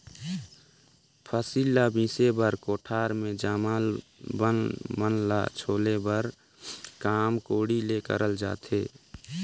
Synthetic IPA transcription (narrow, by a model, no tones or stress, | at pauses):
pʰəsiːlabĩːsebəɾkoːʈʰaːɾmẽd͡ʒaːmalbənbənla̰t͡ʃʰoːlebəɾ | kaːmkoːɽilekə̰ɾʔəld͡ʒa̰ːt̪ʰeː